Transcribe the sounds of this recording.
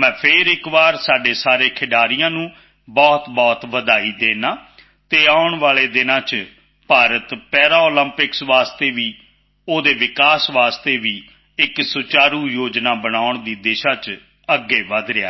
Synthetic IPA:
mɛ̃ːpʰeːɾɪkʋaːɾsaːɖeːsaːɾeːkʰɪɖaːɾɪjãːnũː | bɔːt̪bɔːt̪ʋəd̪aːiːd̪eːnaː | t̪eːaːʊɳʋaːleːd̪ɪnãːt͡ʃ | paːɾət̪pɛːɾaːoːləmpɪksʋaːst̪eːʋiː | oːd̪eːʋɪkaːsʋaːst̪eːʋiː | ɪksʊt͡ʃaːɾuːjoːd͡ʒnaːbənaːʊɳd̪iːd̪eːʃaːt͡ʃ | əɡːeːʋəd̪ɾɪaː

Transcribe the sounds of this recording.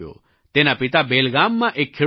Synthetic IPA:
jo̰ | t̪enapɪt̪abeːlɡaːmːãʔekʰːe

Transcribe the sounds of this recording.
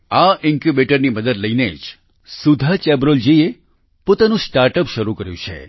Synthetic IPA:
aɪŋkubeʈəɾniməd̪əd̪ləjned͡ʒ | sud̪ʱat͡ʃɛbɾold͡ʒie | pot̪anũsʈaɾʈəpʃəɾukəɾjṵ̃t͡ʃʰḛ

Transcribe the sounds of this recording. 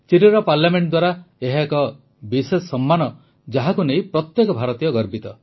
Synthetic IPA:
t͡ʃiɾiɾɔpaɾljameɳʈ̚d̪waɾaeɦakɔ | bisessɔmːanɔ | d͡ʒaɦakunej̃pɾɔt̪jekɔbʱaɾɔt̪ijɔɡɔɾbit̪ɔ

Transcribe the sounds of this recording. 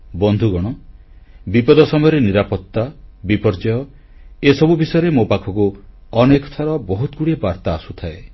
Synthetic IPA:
bɔnd̪ʱuɡɔɽ̃ɔ | bipɔd̪ɔsɔmɔjɔɾeniɾapɔt̪ːabipɔɾd͡ʒɔjɔ | esɔbubisɔjɔɾemopakʰɔku | ɔnekɔ̥t̪ʰɔɾɔbɔɦut̪ɔɡuɽiebaɾt̪aːsut̪ʰae

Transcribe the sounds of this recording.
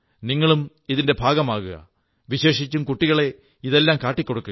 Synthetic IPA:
niŋːɐɭum | iðinde̞bʱaːɡɐmaːɣuɣɐ̰ | ʋiɕe̞ːʂit͡ɕːumkuʈːiɣɐɭe̞ | iðe̞lːaːmkaːʈːikʲːo̞ɽukːuɐ

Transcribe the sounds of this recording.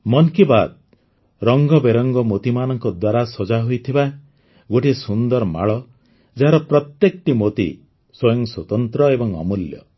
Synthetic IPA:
mɔnkibad̪̚ | ɾɔŋɡɔbeɾɔŋɡɔmot̪imanɔŋkɔd̪waɾasɔd͡ʒaɦojt̪ʰiba | ɡoʈisund̪ɔɾma̰ɭɔ | d͡ʒaɦaɾɔpɾɔt̪jekɔʈimot̪ḭ | swɔjɔŋswɔt̪ɔnt̪ɾɔebɔŋɔ̰muljɔ̰

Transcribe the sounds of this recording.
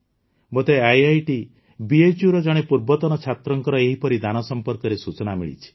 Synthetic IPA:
bɔt̪eajajʈi | biet͡ʃjuɾɔd͡ʒɔɽ̃epuɾbɔt̪ɔnɔt͡ʃʰat̪ɾɔŋkɔɾɔeɦipɔɾid̪anɔsɔmpɔɾkɔɾesut͡ʃɔnamḭɭḭt͡ʃʰi̥

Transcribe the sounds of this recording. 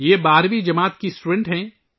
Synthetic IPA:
jeːbaːɾʋid͡ʒɐmaːt̪kisʈuːɖɛ̃ɳʈɦɛ̃ː

